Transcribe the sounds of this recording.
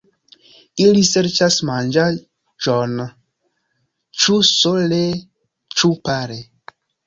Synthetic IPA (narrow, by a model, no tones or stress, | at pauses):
iliseɾt͡ʃasmand͡ʒa | d͡ʒon | t͡ʃusole | t͡ʃupaɾe